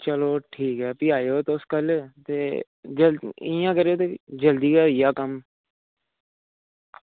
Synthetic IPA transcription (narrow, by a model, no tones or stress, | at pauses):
t͡ʃəloːʈʰiːkɦɛːpɪaːjoːt̪oʊskəlt̪eː | d͡ʒəɪjãːkəɾeoːt̪eːd͡ʒəld̪iːkaːɪjaːkəm